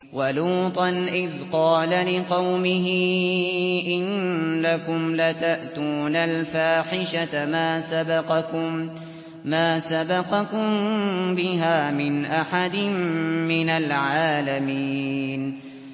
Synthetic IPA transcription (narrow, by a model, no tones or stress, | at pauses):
waluːt̪ˤɑnʔɪðqɑːlalɪqɑwmɪɦɪ | ʔɪnlakʊmlat̪aʔt̪uːnalfaːħɪʃat̪maːsabɑqɑʊm | maːsabɑqɑkʊmbɪɦaːmɪnʔaħad̪ɪmːɪnalʕaːlamiːn